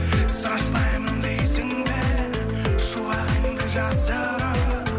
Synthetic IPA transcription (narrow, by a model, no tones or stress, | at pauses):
səɾɑʃpɑjmənd̪ejsɪŋd̪eɾɾ | ʃuɑʁəŋd̪ɪʒɑzʒɑ | ɾɑ